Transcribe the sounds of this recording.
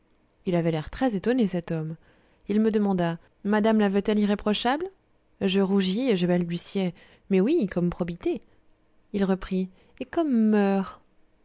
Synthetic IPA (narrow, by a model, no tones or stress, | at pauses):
ilavɛlɛʁt̪χɛzet̪ɔnesɛt̪ɔm | ilməd̪əmɑ̃d̪a | mad̪amlavət̪ɛliʁepχɔʃabl | ʒəʁuʒieʒəbɛld̪ysjɛ | mɛwikɔmpχɔbit̪e | ilʁəpχi | ekɔmːœːʁ